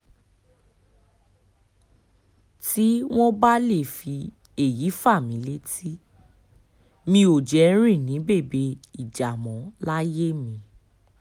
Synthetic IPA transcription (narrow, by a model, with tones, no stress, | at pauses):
ti˦w̃ɔ̃˦ba˦le˦˨fi˧ | e˨ji˨˦fa˦˨mĩ˨˦le˦ti˦ | mĩ˧o˨d͡ʒɛ˨˦ɾ̃ĩ˦˨nĩ˨˦be˦˨be˧i˨d͡ʒa˨mɔ̃˨˦la˦je˦mĩ˧